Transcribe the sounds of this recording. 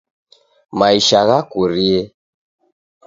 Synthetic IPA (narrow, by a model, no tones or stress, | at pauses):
maiʃaɣakuɾiɛ